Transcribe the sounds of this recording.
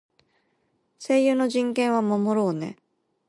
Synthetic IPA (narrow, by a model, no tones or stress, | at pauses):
se̞jɯ̟ːno̞ʑĩŋkẽ̞ɰ̃βamamo̞ɾoːne̞̰